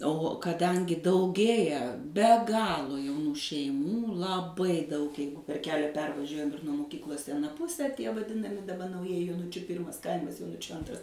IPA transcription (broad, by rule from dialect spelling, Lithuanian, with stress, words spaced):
oː kɐˈdɐŋʲɡʲɪ dɐʊˈɡʲeːjɛ bʲɛ ˈɡɑːlˠoː jɛʊˈnuː ʃʲɛɪˈmuː lˠɐˈbɐɪ dɐʊk ˈjɛɪɡʊ pʲɛr ˈkʲæːlʲɛ ˈpʲɛrʋɐʒʲuɔjɛm ɪr nuɔ moːˈkʲiːklˠoːs ɪ ɐˈnɐ ˈpʊsʲɛ tʲiɛ ʋɐˈdʲɪnɐmʲɪ dɐˈbɐ nɐʊˈjiɛjɪ joːˈnʊt͡ʃʲʊ ˈpʲiːrmɐs ˈkɐɪmɐs joːˈnʊt͡ʃʲʊ ˈɐntrɐs